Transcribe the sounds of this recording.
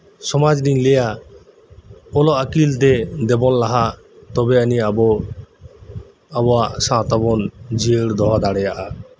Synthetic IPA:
sɔmad͡ʒɾiŋlɛja | ɔlɔakilt̪ɛd̪ɛbɔnlaɦa | t̪ɔbɛaniabɔ | abɔwaʔsãt̪ɔbɔnd͡ʒiəɽd̪ɔɦad̪aɽɛjaʔa

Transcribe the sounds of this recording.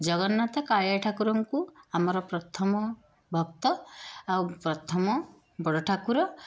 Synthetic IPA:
d͡ʒɔɡɔnːat̪ɔkaɭaʈʰakuɾɔŋkuamɔɾɔpɾɔt̪ʰɔmɔ | bʱɔbt̪ɔawpɾɔt̪ʰɔmɔ | bɔɽɔʈʰakuɾɔ

